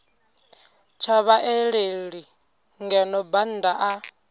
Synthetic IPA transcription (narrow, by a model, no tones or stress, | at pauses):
t͡ʃʰaβaʔeɺeɺi | ŋɡɛnɔban̩daʔa